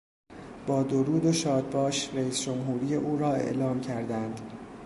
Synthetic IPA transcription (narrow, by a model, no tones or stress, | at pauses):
b̥ɒːd̪oɾuːd̪oʃɒːd̪̚bɒːʃreiːsd͡ʒomɦuːɾiːjeʔuːɾɒːe̞̰ʔlɒːmcʰæɾd̪ænd̪̥